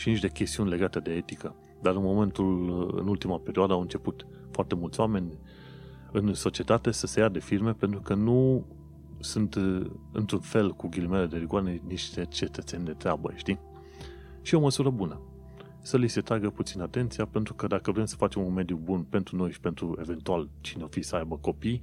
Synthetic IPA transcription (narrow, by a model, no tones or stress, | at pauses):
ʃiniʃʲt̪e̞kʲe̞st̪iunʲle̞ɡat̪e̞d̪e̞e̞t̪ikə | d̪aɾɨnmo̞me̞nt̪ulɨ̰nult̪imapeɾioad̪əawɨnt͡ʃe̞put̪ | foart̪e̞mult̪sʲoame̞nʲ | ɨnso̞t͡ʃiet̪at̪e̞səse̞jad̪e̞firme̞pent̪ɾukənu | sɨnt̪ɨ̰nt̪ɾunfe̞lkuɡʲilimele̞d̪eviɡwaɾeeniʃt̪e̞t͡ʃe̞t̪ət̪se̞nʲd̪e̞t̪ɾeabə̰ʃt̪i | ʃio̞məsuɾəbunə | səlise̞t̪ɾaɡəput̪sinat̪e̞nt̪sijape̞nt̪ɾukəd̪akəvɾe̞msə̥fat͡ʃe̞munme̞d̪jubunpe̞nt̪ɾuno̞jʃi̥pe̞nt̪ɾue̞ve̞nt̪ualt͡ʃineofisəajbəko̞pij